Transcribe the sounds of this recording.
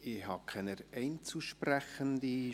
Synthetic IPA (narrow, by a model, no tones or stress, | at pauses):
ɪhɑkʰɛnəɾɛɪnt͡suʃprɛxənd̪i